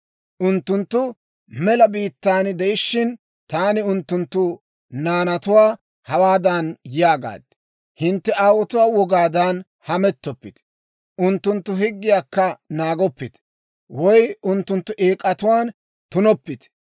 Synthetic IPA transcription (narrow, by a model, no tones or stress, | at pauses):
ʔʊnt̪ːʊnt̪ːʊ | mɛlɐbiːt̪ːaːnd̪ɛjɪʃːɪn | t̪aːnɪʊnt̪ːʊnt̪ːʊ | naːnɐt̪ʊwaː | hɐwaːd̪anjɪjaːɡa̰ːd̪ːɛ | hɪnt̪ːɛaːwɔt̪ʊwaːwɔɡaːd̪ɐn | hɐmɛt̪ːɔpːɪt̪ | ʔʊnt̪ːʊnt̪ːʊɦɪɡːɪjaːkːɐnaːɡɔpːɪt̪ | wɔjʊnt̪ːʊnt̪ːʊʔeːkʼɐt̪ʊwaːn | t̪ʊnɔpːɪt̪